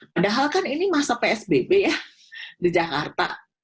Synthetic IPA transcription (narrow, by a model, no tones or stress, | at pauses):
padaɦalkaninimasapeɛsbebeja | did͡ʒaka̰rt̪a̰